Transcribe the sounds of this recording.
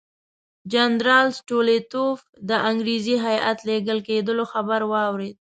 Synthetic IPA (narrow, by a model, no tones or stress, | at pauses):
d͡ʒanɾɑlsʈolet̪of | d̪əʔaŋɡɾiziɦajʔa̰t̪leɡəlked̪əloxabaɾwɑwɾed̪̚